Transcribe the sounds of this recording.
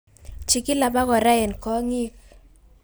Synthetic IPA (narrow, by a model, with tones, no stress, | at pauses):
t͡ʃi˨kɪ˦la˨ba˦kɔ˨ɾa˦ɛ˨nkɔ˦ŋi˦k